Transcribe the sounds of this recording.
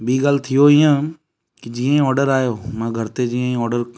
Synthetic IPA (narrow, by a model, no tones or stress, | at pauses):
biːɡaːlt̪ʰɪjoɪjã | kɪd͡ʒiːẽɔːɾɖəɾaːjoːmãːɡʱɐɾt̪ed͡ʒiːẽɔːɖəɾ